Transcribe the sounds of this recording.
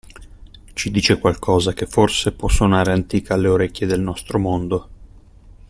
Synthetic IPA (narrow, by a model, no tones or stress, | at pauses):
t͡ʃid̪iːt͡ʃekwalkʰɔːzakefːorsepwɔsːonaːɾeant̪iːkaalːeoɾɛkʲːjed̪elnɔst̪ɾomond̪o